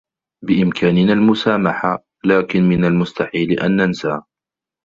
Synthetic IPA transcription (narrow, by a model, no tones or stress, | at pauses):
bɪʔɪmkʰaːnɪnalmʊsaːmaħa | laːkɪnmɪnalmʊst̪aħiːlʔa̰nːansa